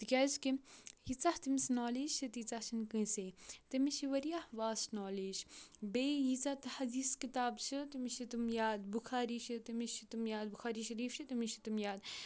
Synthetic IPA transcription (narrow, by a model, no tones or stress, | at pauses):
t̪ikʲaːskijit͡saht̪imisnoːlid͡ʒt͡ʃʰit̪it͡saht͡ʃʰinkɨ̃seːt̪ɐmiʃiʋɐɾijahʋaːsnoːliːd͡ʒbeːjit͡sat̪hɐd̪iːskit̪aːbt͡ʃʰɨt̪imiʃit̪umjaːd̪buxʰaːɾiːʃit̪imiʃit̪umjaːd̪̚buxaːɾiːʃɐɾiːfʃʰit̪imiʃit̪imjaːd̪